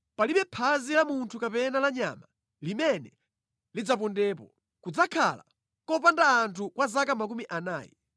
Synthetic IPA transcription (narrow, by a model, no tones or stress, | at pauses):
paliɓɛpʰazilamuntʰukapɛnalaɲa̰ma | limɛnɛ | lid͡zapɔndɛːpɔ | kud͡zakʰa̰la̰ | kɔp̬andaːntʰukwazakamak̬umiʔanaːjɛ̰